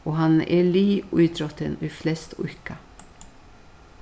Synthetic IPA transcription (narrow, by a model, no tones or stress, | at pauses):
oːhɑnʔḛːɭiːʉːd̪ɾɔt̪ə̰niːflɛst̪ʊ̰kə